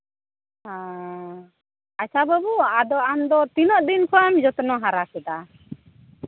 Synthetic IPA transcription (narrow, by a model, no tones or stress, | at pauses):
hã | asabəbuad̪ɔʔamd̪ɔt̪inɔʔd̪inkʰɔamd͡ʒɔt̪ɔnɔɦaɾakɛd̪a